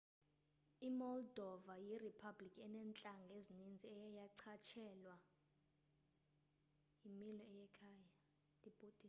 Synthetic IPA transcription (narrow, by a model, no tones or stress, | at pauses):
imɔldʱɔvajiripʰablikʰʼɛnɛnt͡ɬʼaŋɡʱezinind͡zʱiɛjajaǀʰat͡ʃʰɛlwa | imilɔɛjɛkʰaːja | lib̥ʱudʼi